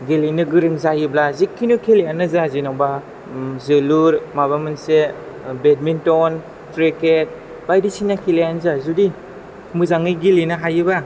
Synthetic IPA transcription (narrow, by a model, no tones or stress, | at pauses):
ɡelinɯɡɯɾɯŋzajiblazikʰːinukʰelejanɯzazinawba | zɯluɾmaβamɯnse | bed̚mintɔn | tɾeket̚ | bajdisinakʰilejanzazudi | mɯzaŋiɡelinɯɦajɯba